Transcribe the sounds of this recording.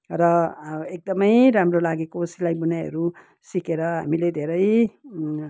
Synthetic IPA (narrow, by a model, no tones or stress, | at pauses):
rʌek̚d̪ʌmʌjɾamrolaɡekosilajbunajɦʌ̰ɾu | sikeɾʌɦa̰miled̪ʱeɾʌj